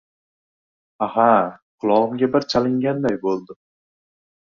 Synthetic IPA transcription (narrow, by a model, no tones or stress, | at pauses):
ahaqʰʊlˠɒʁɨmɡʲabɪɾt͡ʃʰalɪŋɡʲand̪ajbolˠd̪ɪ